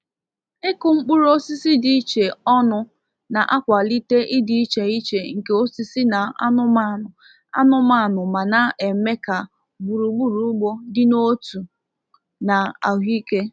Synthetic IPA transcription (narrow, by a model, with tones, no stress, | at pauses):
e˦kʊ˨ŋ͡m̩˦k͡pu˦ɾo˦si˦si˦di˨i˦t͡ʃe˨ɔ˦nʊ˨ | na˨ʔa˦kʷa˨li˦te˦ʔɪ˦di˦i˦t͡ʃe˨i˦t͡ʃe˨ŋ̩˨ke˨o˦si˦si˦na˨a̰˦nʊ˦ma˦˨nʊ˨ | a̰˦nʊ˦ma˦˨nʊ˨ma˨na˦ʔe˨me˦ka˨ | ɡ͡bu˨ɾu˨ɡ͡bu˦ɾu˨˦ɡ͡bo˦dɪ˦no˦tu˨ | na˨a̰˨ɦi˦ke˦